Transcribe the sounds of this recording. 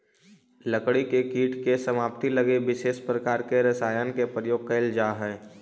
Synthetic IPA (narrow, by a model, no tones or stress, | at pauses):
ləkɽikekiːʈkesəmaːp̚t̪iləɡeʋɪʃeːʃpɾəkaːɾkeɾɐsaːjankepɾəjoːɡ̚kəɪld͡ʒaːɦɛː